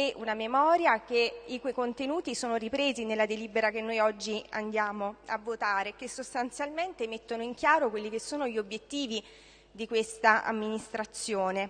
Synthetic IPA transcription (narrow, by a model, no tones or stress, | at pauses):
ɛʔunamemɔːɾjakeikekont̪enuːt̪isoːnoɾipɾeːzinelːad̪eliːbeɾakenːojɔd͡ʒːia̰nd̪jaːmoa̰vːot̪aːɾekesost̪ant̪sjalment̪emet̪ːonoiŋk̟jaːɾokwelːikesːoːnoʎiobjet̪ːiːvi | d̪ikwest̪aʔa̰mːinist̪ɾat̪sːjoːne